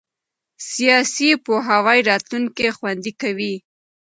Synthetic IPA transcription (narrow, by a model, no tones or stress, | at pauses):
sijɑsipoɦawajɾɑt̪luŋkexwand̪ikawi